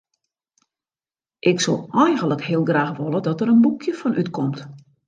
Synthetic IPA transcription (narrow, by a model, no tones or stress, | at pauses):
ʔɪksolˠɛjxənləkhiəlˠɡraːxʋolˠədɔtəɾənbukʰjəfɔnʔytkʰɔmt